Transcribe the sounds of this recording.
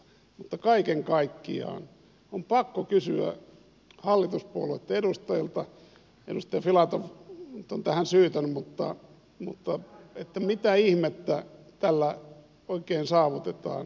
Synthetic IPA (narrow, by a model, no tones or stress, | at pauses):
mut̪ːɑkɑikeŋkɑikːḭɑ̰ːn | ompɑkːokysyæ̰ | hɑlːit̪uspuoloet̪ːeɾust̪ɑjilt̪ɑ | ḛɾust̪ɑjɑfilɑt̪ofnyt̪ont̪æhænsyːt̪ænymut̪ːɑ | mṵt̪ːɑet̪ːæmit̪æihmet̪ːæt̪ælːæ | oikeːnsɑːʋut̪et̪ɑ̰ːn